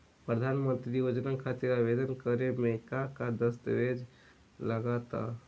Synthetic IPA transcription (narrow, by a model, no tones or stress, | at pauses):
pɾəd̪ʱanmə̃nt̪ɾijod͡ʒnəkʰat̪iɾaʋed̪ənkəɾemẽkakad̪əst̪əʋed͡ʒ | ləɡat̪a̰